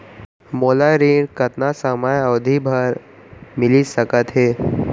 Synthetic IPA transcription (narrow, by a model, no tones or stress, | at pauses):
moːlaɾiːɖkɐt̪nasamajɔːd̪ʱibʱəɾ | mɪlisɐkət̪ɦɛː